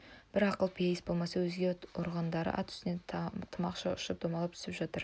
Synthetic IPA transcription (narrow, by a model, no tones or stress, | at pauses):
b̥ɪɾɑqəlˠpʰijejɪsbo̞lˠmɑsɑwɵzɡʲe̞oɾʁɑnd̪ɑɾə̰ʔɑ̰t̪ʰʏ̥sɪne̞t̪ʰəmɑqʃɑʊʃəp̚d̪̥omɑlˠəp̚t̪ʰʏ̥sɪpʒɑt̪əɾ